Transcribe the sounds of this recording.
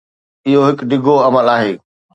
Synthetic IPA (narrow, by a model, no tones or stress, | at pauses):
ɪɦoɦɪkɖɪɡʱoɐməlaːɦeː